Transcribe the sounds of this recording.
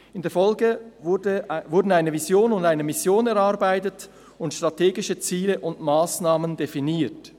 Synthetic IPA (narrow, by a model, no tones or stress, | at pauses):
ɪndeːɐfɔlɡədəvʊɾdn̩aɪnəvisjoːnʊndaɪnəmɪsjoːnɛɾɑʁbaɪtət | ʊntʃtʁ̥atʰeːɡɪʃət͡siːləʔʊndmaːsnaːməndefiniːt